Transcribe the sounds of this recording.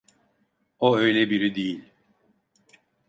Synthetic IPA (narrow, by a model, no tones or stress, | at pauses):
oøjlʲebiɾid̪ejilʲ